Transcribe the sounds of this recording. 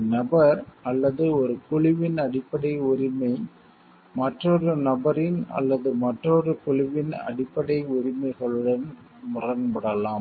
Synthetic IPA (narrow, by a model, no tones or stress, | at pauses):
nɐbɐɾɐlːɐðɯɔɾɯkʊɻɪʋɪnɐɽɪpːɐɽɐɪʊɾɪmɐɪ | mɐʈrɔrɯnɐbɐɾɪnɐ̰lːɐðɯmɐʈrɔrɯkʊɭɪʋɪnɐ̰ɽɪpːɐɽɐɪʊɾɪmɐɪɣɐɭɯɽɐn | mʊrɐnbɐɽɐlaːm